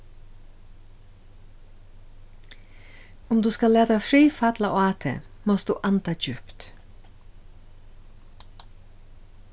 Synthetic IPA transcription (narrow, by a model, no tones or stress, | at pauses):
ʊmd̪ʉːskɑleːd̪ɑfɾiːfɑt̪lɑʔoːɑːt̪ʰə̰mɔsd̪ʉ̰ːʔɑnt̪ʰɑːd͡ʒʉpt̪